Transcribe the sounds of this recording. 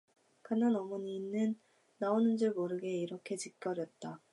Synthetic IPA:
kɯnanʌmʌɲiːnːɯnː | aonɯnd͡ʑɯɭmoɾɯɡe̞iɾʌkʰe̞t͡ɕik͈ʌɾjʌt̚t͈a

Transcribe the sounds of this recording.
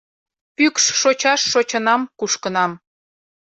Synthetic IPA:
pykʃːot͡ɕɑʃːot͡ɕənɑmkuʃkənɑm

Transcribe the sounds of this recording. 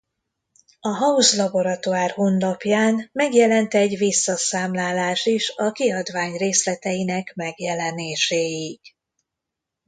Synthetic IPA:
ɒɦɒuzlɒbo̞ɾɒt̪uaːrhunlɒpjaːnmɛɡjɛlɛnt̪ɛɟvisːɒsaːmlaːlaːʃiʃɒkiɒd̪vaːɲreːslɛt̪ɛjinɛkmɛɡjɛlɛneːʃeːjiɡ

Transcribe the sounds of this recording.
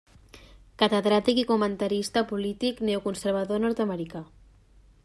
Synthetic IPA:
kat̪eðɾat̪ikikumənt̪aɾist̪apulit̪ikneukunseɾβ̞aðonɔɾt̪aməɾika

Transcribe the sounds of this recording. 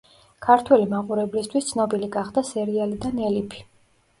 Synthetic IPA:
kʰaɾt̪ʰwɛlimaqʼuɾɛblist̪ʰwist̪sʰnɔbiliɡaχd̪asɛɾialid̪anɛlipʰi̥

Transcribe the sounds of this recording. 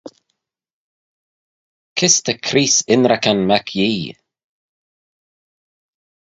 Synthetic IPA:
kʰɪst̪əkʰɾiːsɪnɾakanmakʰjiː

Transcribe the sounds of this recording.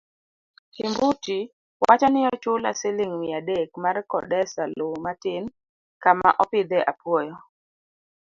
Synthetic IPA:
himbuti | wat͡ʃanɪɔt͡ʃʊla̰sɪlɪŋwɪadekmarkɔ̰dɛsalomatɪn | kama̰ʔɔpɪd̪ɛʔapwɔjɔ

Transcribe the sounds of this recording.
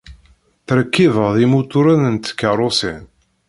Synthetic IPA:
θɾəkːivəʁðimut̪ʊɾaðənt̪ə̥kːəɾˤosḭn

